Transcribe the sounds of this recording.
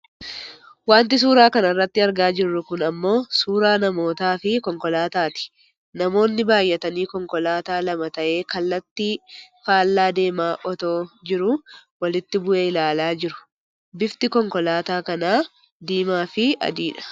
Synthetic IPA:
waːnt̪̬ɪs̬uːɾaːkɐnɐrːɐt̪ːɪɐɾɡaːd͡ʒɪrːʊkʊnɐmːo̞ːsuːɾaːnɐmo̞ːt̪aːfɪkɔŋkɔlaːt̪aːt̪ɪ̥ | nɐmo̞ːnːɪbaːjːɛt̪ɐniːkɔŋkɔlaːt̪aːlɐmɐt̪ɐʔe̞ːkɐlːɐt̪ːɪfaːlːaːd̪e̞ːmaːʔɔt̪o̞ːd͡ʒɪɾʊwɐlɪt̪ːɪbʊʔeːɪlaːlaːd͡ʒɪɾʊ̥ | bɪft̪ɪkɔŋkɔlaːt̪aːkɐnaː | d̪iːmaːfɪɐ̰d̪iːᶑɐ̥

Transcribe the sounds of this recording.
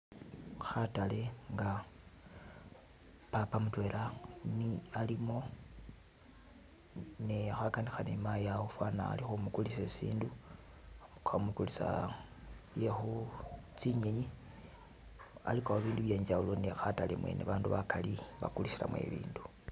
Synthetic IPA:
xatale̞ŋɡa | papamutwe̞lanialimo̞ | niaxakanixanemajawofwana̰ːlixumukulisesḭːndu | kamukulisa̰ | βjexut͡siɲeɲi | a̰likaoβiːnduβjeːɲd͡ʒaulonixatalemwḛːnʔeβaːnduβakaliβa̰kulisiɾa̰mwe̞̰βḭːndu

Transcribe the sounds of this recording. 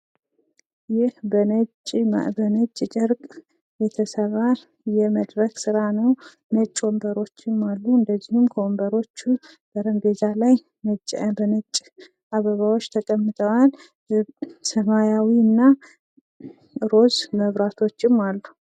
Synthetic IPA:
jɪhbənət͡ʃʼːbənət͡ʃʼːt͡ʃʼɪɾkʼ | jɛt̪ʰəsərːa | jɛməd̪ɾəksɨɾanəw | mət͡ʃʼːwombəɾo̞t͡ʃːɪmːalːuɨnd̪əzːihɪmkʰəwombəɾo̞t͡ʃːu | b̥əɾəmbezalaj | mət͡ʃʼbənət͡ʃʼ | ʔaβəβawo̞t͡ʃːt̪ʰəkʼəmːɨt̪ʰəwal | səmajawiɨnːa | ɾo̞zməβɾat̪ʰo̞t͡ʃːɪmːalːu

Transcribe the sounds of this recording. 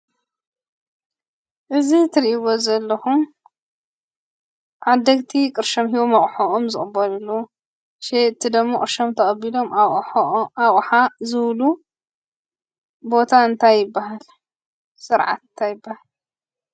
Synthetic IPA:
ʔɨzit̪ʰɨɾʔiβozɐlːɐxum | ʕad̪ːɐɡt̪ʰikʼɨɾʃɐmɦiβomɐχʼħoʔomzɨχʼɨbːɐlɐlːu | ʃeɨt̪ʰːid̪ɨmːoχʼɨɾʃɐmt̪ʰɐχʼɐbilo̞m | aʔʼħazɨβlu | bo̞t̪ʰaɨnt̪ʰajːɪbːaɦal | sɨɾʕa̰t̪ɨnt̪ʰajɪbːahal

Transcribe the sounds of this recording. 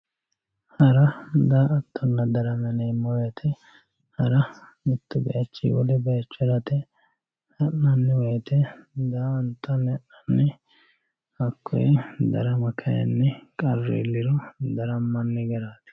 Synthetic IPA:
hɐɾɐd̪aːʔɐt̪ʰːɔnːɐd̪ɐɾɐmɐneːmːɔwjɐt̪ʰɛ | hɐɾɐ | mɪt̪ːʊbɛ̰ʔɐt͡ʃːḭwɔlɛbɛjɐt͡ʃːɛɾɐt̪ɛ | hɐnːɐnːɛwɔjɐt̪ɛd̪aːɐnt̪ːɐnːɛʔɐnːɛ | hɐkʰːɔ̰jɛd̪ɐɾɐmɐkʰɐjɐ̰nːɛkʼɐrːḛːlːɪɾɔd̪ɐɾɐmːɐnːɛɡɛɾaːt̪ɪ̥

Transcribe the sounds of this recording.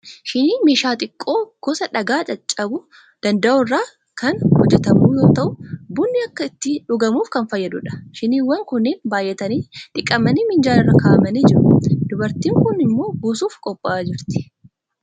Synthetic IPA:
ʃɪniːmeːʃaːt̪ʼɪkʼːo̞ːɡ̥ɔsɐᶑɐɡaːt͡ʃʼɐt͡ʃʼːɐbʊ | d̪̥ɐnd̪ɐʔɔrːaː | kɐnhɔd͡ʒːɛt̪ɐmuːjo̞ːt̪ɐʔʊbʊnːɪɐkːɐɪt̪ːɪᶑʊɡɐmuːfkɐnfɐjːɐd̪ʊᶑɐ̥ʃɪniːwːɐŋkʊnːeːnbaːjʔːɛt̪ɐniːᶑ̪ɪkʼːɐmɐniːmɪnd͡ʒaːnɪrːɐkaːʔɐmɐniːd͡ʒɪɾʊd̪̥ʊbɐɾt̪iːŋkʊnɪmːo̞ːɡuːsuːfkʼɔpʼːaːd͡ʒɪɾt̪ɪ̥

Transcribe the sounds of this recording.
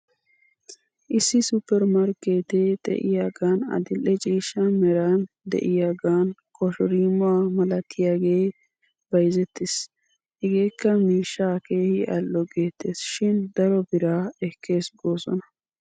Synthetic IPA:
ʔɪsːɪsʊpːɛɾmɐɾkːeːt̪ed̪ɛ̰ʔɪ̰jaːɡaːnɐ̰d̪ɪlːɛt͡ʃʼiːʃːɐmɛɾaːn | d̪ɛ̰ʔɪjaːɡaːnkɔʃɔɾiːmʊwaːmɐlɐt̪ʰːɪjaːɡe̞ː | b̥ɐjzɛt̪ːɪs | hɛɡe̞ːkːɐmiːʃːaːke̞ːhɪʔɐlːɔɡeːt̪ːeːsʃɪnd̪ɐɾɔbɪɾaːɛkʰːe̞ːsɡoːsɔ̰nɐ

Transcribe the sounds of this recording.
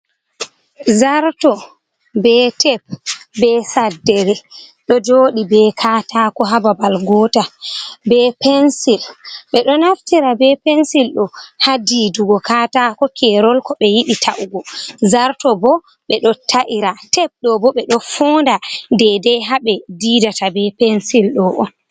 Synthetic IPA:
zaɾtɔ | bɛtɛp̚bɛsadːɛɾɛɗɔd͡ʒoːɗibɛkʰatakɔɦababalɡɔtabɛpɛnsilɓɛɗɔnaftiɾabɛpɛnsilɗɔhadiːduɡɔkatakɔkʰɛɾɔlkɔɓɛjiɗitʰaʔuɡɔzaɾtɔbɔ | ɓɛɗɔtʰaʔiɾatɛp̚ɗɔbɔɓɛɗɔfɔːndadɛdɛɦaɓɛdidatabɛpɛnsilɗɔʔɔn

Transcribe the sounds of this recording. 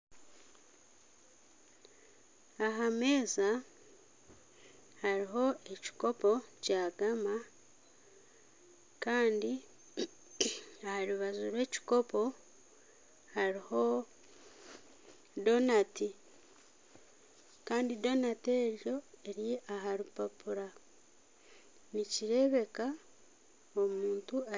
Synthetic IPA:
aɦame̞ːza | haɾiɦo̞e̞ci̥ko̞po̞caːɡama | kaːndi | ahaɾiβazuɾwe̞ːci̥ko̞po̞ | haɾiho̞ | do̞nati | kaːndido̞nate̞ːɾjo̞e̞ɾjeʔaɦaɾipapuɾa | niciɾe̞βe̞ka | omuːntua

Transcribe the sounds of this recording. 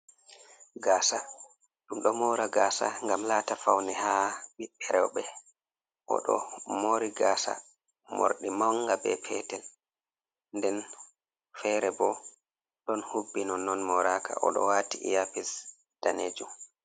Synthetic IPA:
ɡaːsa | ɗumɗɔmɔɾaɡaːsa̰ŋɡamlaːtafawnɛhaɓiɓɛɾɛwɓɛ | ʔɔ̰ɗɔ̰moːɾiɡasa̰ | mo̰ɾɗimaŋɡabɛpʰɛtɛl | ndɛn | fɛɾɛbɔ | ɗɔnhubːinɔnːɔnmɔɾakʰa̰ʔɔɗɔwatḭjapis | d̥anḛd͡ʒum

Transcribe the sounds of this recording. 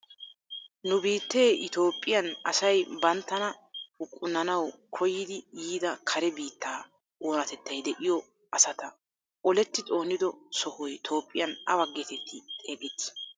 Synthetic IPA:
nʊbiːt̪ːe̞ːʔɪt̪o̞ːpʼːɪjɐnɐ̰sɐjbɐnt̪ːɐnɐʊkʼːʊnːɐnɐwkʰɔjːɪd̪ɪjiːd̪ɐkʰɐɾɛbiːt̪ːaː | oːnɐt̪ɛt̪ːɐjd̪ɛʔɪjɔ | ʔɐsɐt̪ɐ | ʔɔlɛt̪ːɪt̪ʼo̞ːnːɪd̪ɔsɔhɔjt̪ʰo̞ːpʼːɪjɐnɐwɐɡːet̪ɛt̪ʰːɪt̪ʼeːɡʼɛt̪ːɪ̥

